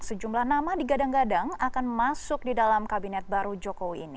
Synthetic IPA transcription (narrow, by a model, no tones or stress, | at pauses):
səd͡ʒumlahnamadiɡadaŋɡadaŋakanmasʊk̚didalamkabinɛt̪̚baɾud͡ʒɔkowiːni